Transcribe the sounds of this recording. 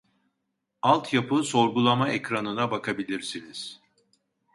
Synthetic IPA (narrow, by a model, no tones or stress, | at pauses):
alˠt̪ʰjapʰɯso̞ɾɡulˠamaɛcɾanɯnabakʰabilʲiɾsiniz̥